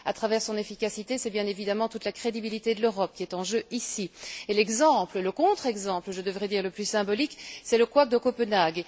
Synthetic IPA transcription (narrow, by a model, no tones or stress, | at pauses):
a̰t̪χavɛʁsɔ̃nefikasit̪esɛbjɛ̃nevid̪amɑ̃t̪ut̪lakχed̪ibilit̪ed̪əløʁɔp̚kʲiɛt̪ɑ̃ʒøisielɛɡzɑ̃plələkɔ̃t̪χɛɡzɑ̃plʒəd̪əvʁɛd̪iːʁləplysɛ̃bɔliksɛləkwak̚d̪əkopənaɡ